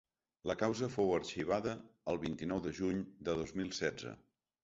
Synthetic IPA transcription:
ləkawzəfowəɾʃiβ̞aðəːlˠβint̪inɔwðəʒuɲd̪əðozmilˠsɛd͡zə̰

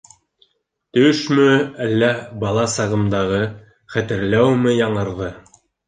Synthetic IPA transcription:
t̪ɵʃmɵælːæbɑlˠɑsɑʁɤ̆md̪ɑʁɤ | χæt̪ɘ̆ɾlæwmɘjɑɴɤ̆ɾðɤ

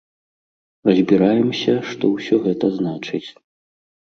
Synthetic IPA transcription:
rɐzʲbʲiɾajɛmsʲɐʂt̪ɔwsʲɔɣɛt̪ɐznat͡ʂɨt͡sʲ

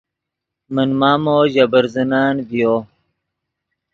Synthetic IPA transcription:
mənmaːmoːʑɐbəɾzənaːnbijo

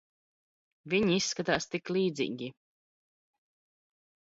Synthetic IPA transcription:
viɲisːkat̪aːst̪iklˠiːd̪zḭːɡʲi

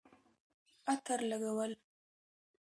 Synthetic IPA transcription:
at̪ʰəɾlaɡawəl

